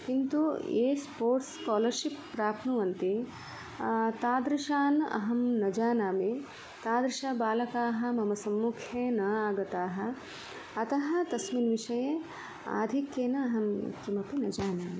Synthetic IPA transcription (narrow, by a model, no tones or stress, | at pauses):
kint̪ujḛːspoːɾʈskɔːlɐɾʃipːɾaːpʰnuʋɐnt̪i | t̪aːd̪ɾiʃaːnɐ̰ɦɐmnɐd͡ʒaːnaːme | t̪aːd̪ɾiʃaːbaːlɐkaːɦɐ̆mɐmɐsɐmːukʰjeːnɐaːɡɐt̪aːɦɐ̆ | ɐt̪ɐɦɐ̆t̪ɐsminʋiʃɐje | a̰ːd̪ʱikːeːnɐɐɦɐm̰kimɐpinɐd͡ʒaːnaːme